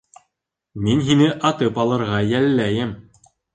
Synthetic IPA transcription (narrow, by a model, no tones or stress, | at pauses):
minɦinɘʔɑt̪ɤpɑlˠɤ̆ɾʁɑjælːæjɘm